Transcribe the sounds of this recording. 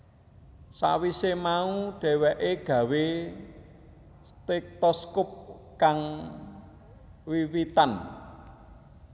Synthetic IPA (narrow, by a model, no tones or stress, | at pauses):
sa̰wisemauɖ̥ɛ̤wɛʔeɡ̥ä̤we | st̪ek̚t̪ɔskʊp̚ | kaŋ | wiwit̪an